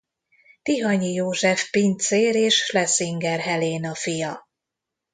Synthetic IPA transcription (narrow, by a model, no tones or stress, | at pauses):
t̪iɦɒɲijoːʒɛfpint̪seːɾeːʃlɛsiŋɡɛrɦɛleːnɒfijɒ